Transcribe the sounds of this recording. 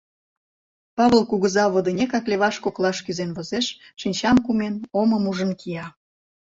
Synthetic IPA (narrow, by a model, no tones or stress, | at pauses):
pɑβəlˠkuɣəzɑβəd̪ə̆nʲekɑkleβɑʃkoklɑʃkyzenβə̆zeʃ | ʃinʲt͡ɕɑmkumenoməmuʒə̆nkijɑ